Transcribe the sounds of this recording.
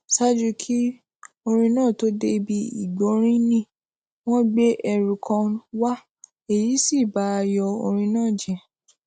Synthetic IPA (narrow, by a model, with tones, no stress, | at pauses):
sa˦d͡ʒu˧kʰi˦ | o˧ɾ̃ĩ˧nãː˦˨to˨˦de˦˧bi˦ḭ˦˨ɡ͡bo˨˦ɾ̃ĩ˦nĩ˦˨ | w̃ɔ̃˦ɡ͡be˦ʔɛ˧ɾu˨kʰã˧wa˦ | e˦˨ji˨˦si˦˨ba˨˦a˧jɔ˧o̰˧ɾ̃ĩ˧nãː˦˨d͡ʒɛ̃˨